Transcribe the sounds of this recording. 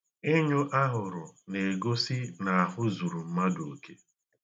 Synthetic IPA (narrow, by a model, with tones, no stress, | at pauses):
ɪ˦ɲʊ˦ʔa˦ɦʊ˨ɾʊ˨ne˨ɡo˦si˦na˨a˨ɦʊ˦zu˨ɾu˨m̩˦ma˦do˨ke˦